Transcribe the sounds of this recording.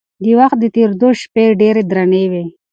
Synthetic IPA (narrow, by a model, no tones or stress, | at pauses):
d̪iwaxt̪̚d̪ət̪eɾd̪oʃpeɖeɾed̪ɾanewe